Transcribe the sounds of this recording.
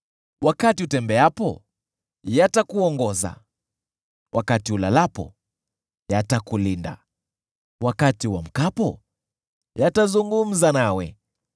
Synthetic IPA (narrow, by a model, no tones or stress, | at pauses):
wakatiutɛmbɛapɔ̰ | jatakuɔŋɡɔza̰ | wʔakatiulalapɔ̰ | jatakulinda̰ | wakatiwam̩kapɔ | jatazuŋɡum̩zanawɛ̰